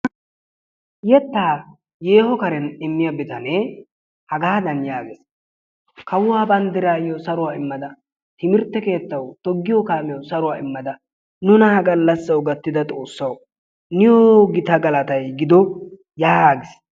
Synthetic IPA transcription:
jɛt̪ːaː | je̞ːhɔkɐɾɛnɪmːɪjɐbɪt̪ɐne | hɐɡaːd̪ɐnjaːɡɛs | kɐwʊwaːbɐnd̪ɪɾaːjɔsɐɾʊwaːɪmːɐd̪ɐ | t̪ɪmɪɾt̪ːɛke̞ːt̪ːɐwt̪ɔɡːɪjɔkaːmjɔsɐɾʊwaːɪmːɐd̪ɐ | nʊnɐhɐɡɐlːɐsːɐwɡɐt̪ːɪd̪ɐt̪ʼo̞ːsːɐw | nɪjɔɡɪt̪ɐɡɐlɐt̪ɐjɡɪd̪ɔ | jaːɡɪs

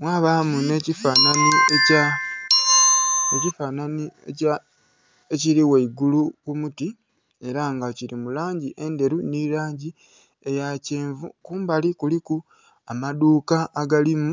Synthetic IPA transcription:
mwaːβamune̞ːcifananieca | ecifananieca | e̞ciɾiweiɡulukumuti | e̞ɾaŋɡaciɾimulaːɲɟiʔe̞nde̞ɾunilaːɲɟi | e̞jaceːɱvukuːmbalikuliku | amaduːkaːɡalimu

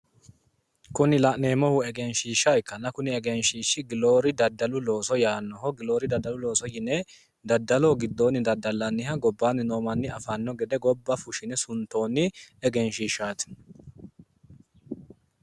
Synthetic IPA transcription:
kʊnɪlɐʔneːmɔhʊɛɡɛnʃiːʃaɪkːɐnːɐkʊnɪɛɡɛnʃiːʃɪɡɪlo̞ːɾɪd̪ɐd̪ːɐlʊlo̞ːsɔjaːnːɔhɔɡɪloːɾɪd̪ɐd̪ːɐlʊlo̞ːsɔjɪnɛ | d̪ɐd̪ːɐlɔɡɪd̪ːoːnːɪd̪ɐd̪ːɐlːɐnːɪhɐɡɔbːaːnːɪnoːmɐnːɪɐfanːɔɡɛd̪ɛɡɔbːɐfʊʃɪnɛsʊnt̪o̞ːnːɪɛɡɛnʃiːʃaːt̪ɪ̥

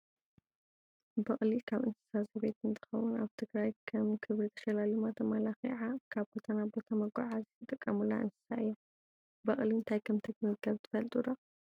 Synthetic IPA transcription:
bɐχʼlikʰaβɨnsɨ̥saziβet̪ɨnt̪ʰɨ̥xɐwuna̰βt̪ʰɨɡɾajkʰɐmkʰɨβɾit̪ʰɐ̥ʃɐlalumat̪ʰɐmalaxiʕakʰaβbo̞t̪ʰanabo̞t̪ʰamɐɡaʕazit̪ʰɨt̪ʼɨkʼːɐmula̰ʔɨnsɨ̥sa̰ɨjːo | bɐχʼliɨnt̪ʰajkʰɐmt̪ʰɐɡmɨɡɐβt̪ʰɨ̥fɐlt̪ʼud̪a

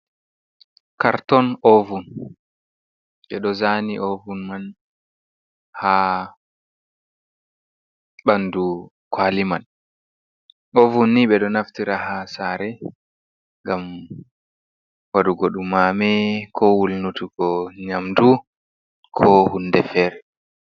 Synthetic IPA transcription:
kaɾtɔnɔvun | ɓɛɗɔzaniʔovunman | ha | ɓandu | kʰwaliman | ʔovunːiɓɛɗɔnaftiɾahasaɾɛ | ŋɡam | waɗuɡoɗumamɛkʰɔwulnutuɡɔɲamdu | kʰɔhunːdɛfɛːɾɛ

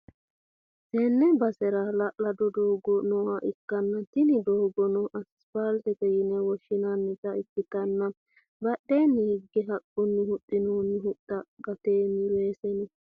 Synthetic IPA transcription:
sɛːnːɛbɐsɛɾɐlɐʔlɐd̪ɔd̪oːɡɔnoːhɐʔɪkːɐnːɐt̪ɪnɪd̪oːɡɔnɔʔɐs | palt̪ɛkɛjɪnɛwɔʃːɪnɐnːɪt̪ɐɪkːɪt̪ɐnːɐ | bɐɗːeːnːɪhɪɡːɛɦɐkʼːɔnːɪhʊtʼːɪnoːnːɪɦʊtːɐɡɐt̪eːmɪleːsɛnɛ

